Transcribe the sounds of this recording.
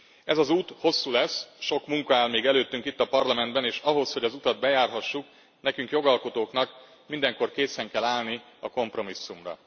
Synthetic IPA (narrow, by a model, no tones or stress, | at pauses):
ɛzɒzuːt̪ho̞sːuːlɛsːʃo̞kmuŋkɒaːlmeːɡɛløːt̪ːyŋkit̪ːɒpɒrlɒmɛnd̪̚bɛneːʃɒɦo̞sho̞ɟɒzut̪ɒd̪̚bɛjaːrɦɒʃːuk | nɛkyŋkjo̞ɡɒlko̞t̪oːknɒk | mind̪ɛŋko̞rkeːsɛŋkɛlaːlni | ɒko̞mpro̞misːumrɒ̰